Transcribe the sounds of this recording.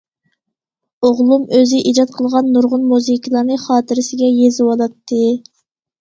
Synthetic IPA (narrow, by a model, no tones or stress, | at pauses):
oʁlˠumøzɪʔid͡ʒɑt̪̚qʰəlˠʁɑnːuɾʁʊnmuzikʲʰilˠɑɾnɨχɑːt̪ʰɨɾɪsɪɡʲɛjezɪwɑlˠɑt̪ʰːɨ